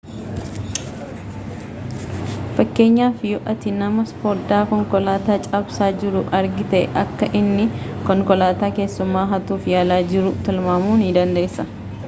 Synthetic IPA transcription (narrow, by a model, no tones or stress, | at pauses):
fɐkːe̞ːɲːaːfjɔʔɐt̪ɪnɐmɐspɔɾd̪aːkɔŋkɔlaːt̪aːt͡ʃʼɐbsaːd͡ʒɪɾʊʔɐɾɡɪt̪ɛʔɛ̰ʔɐkːɐʔɪnːɪkɔŋkɔlaːt̪aːke̞ːsːʊmːaːɦɐt̪uːfjaːlaːd͡ʒɪɾʊt̪ɪlmaːmuːnɪd̪ɐnd̪e̞ːsːɐ